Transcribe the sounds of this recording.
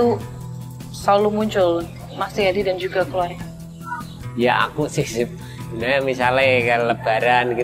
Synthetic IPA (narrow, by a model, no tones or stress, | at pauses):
u | salumuɲt͡ʃʊl | masiɦadidand͡ʒuɡakəluaɾŋ | jaʔa̰kusɪhsɪp̚ | namisalakaləb̥aɾanki